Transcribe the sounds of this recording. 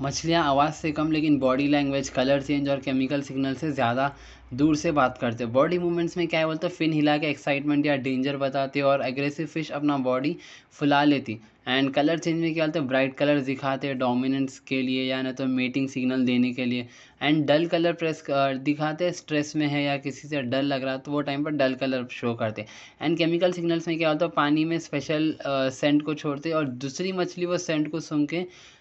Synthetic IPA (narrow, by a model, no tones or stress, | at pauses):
mɐt͡ʃʰlijãaːʋaːzsekɐmleːkɪnbɔːɖilɛ̃ːŋɡʋeːd͡ʒkɐləɾt͡ʃẽːɲd͡ʒɔːɾkɛːmɪkəlsɪɡnəlsezjaːd̪a | d̪uːɾsebaːt̪kɐɾt̪eɦɛbɔːɖimuːʋmẽɳʈsmẽkjaːɦibolt̪ofɪnɦɪlakeɛksaːɪʈmẽɳʈjaɖẽːɲd͡ʒəɾbɐt̪aːt̪eɦɛɔːɾɛɡɾɛːsɪʋfɪʃɐpnabɔːɖi | fʰʊlaleːt̪i | ɛ̃ːɳɖkɐləɾt͡ʃẽːɲd͡ʒmẽkjɛalt̪eɛbɾaːɪʈkɐləɾd̪ɪkʰaːt̪eɦɛɖɔːmɪnə̃ɳʈskeliejanɐt̪omeːʈɪ̃ŋɡsɪɡnəld̪eːnekelie | ɛ̃ːɳɖɖɐlkɐləɾpɾɛːsd̪ɪkʰaːt̪eɦɛ̃sʈɾɛːsmẽɦɛjakɪsiseɖɐɾlɐɡɾaːat̪oʋoʈaːɪmpɐɾɖɐlkɐləɾʃoːkɐɾt̪eɦɛ | ɛ̰̃ːɳɖkɛːmɪkəlsɪɡnəlsmẽkjaɦalt̪paːnimẽspɛːʃəlsɛ̃ɳʈkot͡ʃʰoːɽt̪eɛɔːɾd̪uːsɾimɐt͡ʃʰliʋosɛ̃ɳʈkosʊ̃ŋɡkẽ